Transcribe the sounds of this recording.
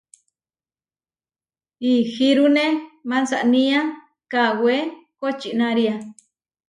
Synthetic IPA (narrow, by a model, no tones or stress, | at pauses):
ihiɾunẽmãnsaʔnĩã | kawekot͡ʃinãɾia